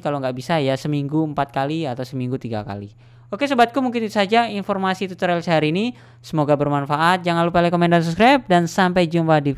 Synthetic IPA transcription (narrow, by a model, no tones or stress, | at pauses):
kaloŋɡaʔbisajasəmiŋɡuəmpat̪̚kaliat̪awsəmiŋɡut̪iɡa̰ka̰li | okesəbat̪̚kumuŋkɪnit̪u̥sad͡ʒainfɔrmasit̪ut̪əɾɛlsəɦaɾini | səmoɡabərmanfaʔat̪̚d͡ʒaŋanlupalɛkomɛndans̬up̚skɾajp̚dansampajd͡ʒumpadi